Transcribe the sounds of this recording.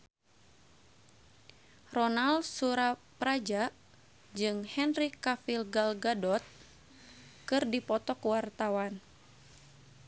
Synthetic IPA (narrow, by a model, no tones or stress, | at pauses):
rɔnalsuɾapɾad͡ʒa | d͡ʒɨŋhɛnrikafilɡalɡadɔt̪̚ | kɨrdipɔt̪ɔkwart̪awan